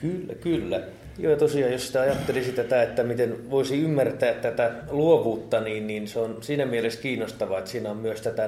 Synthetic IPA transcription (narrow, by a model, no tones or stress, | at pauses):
kylːæ̰kylːæ | jo̰jɑt̪osiɑːjjossi̥t̪æɑjɑt̪ːelisit̪æt̪æet̪ːæmit̪enʋoisiymːært̪æːt̪t̪æt̪æluoʋuːt̪ːɑniːnniːnseonsiːnæmieleskiːnːost̪ɑʋɑet̪siːnæommyøst̪æt̪æ